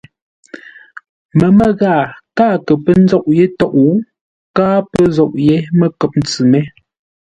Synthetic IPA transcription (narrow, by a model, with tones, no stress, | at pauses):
mə˨mə˦ɣaː˦˨kaː˦˨kə˨pə˦n̩˦d͡zɔ˦ʔje˦tɔ˦˨ʔu˨˦ | kaː˦pə˦zɔ˦˨ʔje˦mə˦˨kə˨p̚n̩˨˦t͡sʉ˨mɛ˦